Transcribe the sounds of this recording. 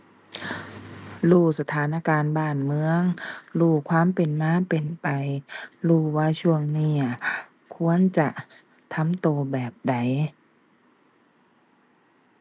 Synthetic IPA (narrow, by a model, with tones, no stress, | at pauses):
luː˧˩sa˧t̪ʰaː˨˦nʔa˧kaː˨nbaː˧˩nmɯ˧˥əŋluː˧˩kʰwaː˧˥˨mpe˨nmaː˧˥˨pe˨npa˨jluː˧˩waː˧˥t͡ɕʰu˧˥˧əŋniː˧˩ | kʰu˧˥ə˨nt͡ɕa˧˩ʔ | t̪ʰa˧˥˨mt̪oː˨˧bɛː˨˩p̚da˨˩j